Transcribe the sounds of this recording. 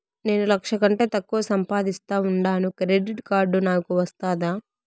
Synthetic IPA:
ne̞ːnulɐkʂɐkɐɳʈe̞ːt̪ɐkːuʋɐsɐmpaːd̪ist̪aːuɳɖaːnukɾeɖiʈkaːɾɖunaːkuʋɐst̪aːd̪aː

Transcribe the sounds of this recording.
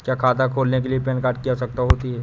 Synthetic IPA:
kjaːkʰaːt̪akʰoːlnek̬eliepɛːnkaːɾʈ̚kijasɐk̚t̪aɦoːt̪iɦɛː

